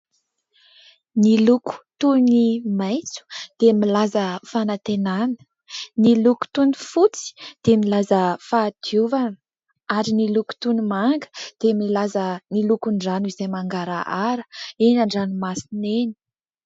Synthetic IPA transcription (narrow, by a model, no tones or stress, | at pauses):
niluku̥t̪unimajt͡su̥d̪̥emilazəfanat̪enanə̥ | niluku̥t̪unifut͡si̥d̪̥emilazəfad̪̥juvanə | aɾiniluku̥t̪unimaŋɡə̥d̪̥emilazənilukuɳɖ͡ʐanizemaŋɡaɾaʔaɾə̥enaɳɖ͡ʐanimasineni̥